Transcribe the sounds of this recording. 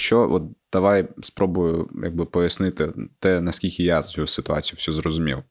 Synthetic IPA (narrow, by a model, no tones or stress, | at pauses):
ʃt͡ʃɔʔɔt̪̚d̪̥ɐʋajspɾɔbʊjʊja̰ɡ̚bɪpɔjɐsnɪt̪ɪt̪ɛnɐsʲkʲilʲkʲɪjat͡sʲusɪt̪ʊa̰t͡sʲijʊsʲuzɾɔzʊmʲḭw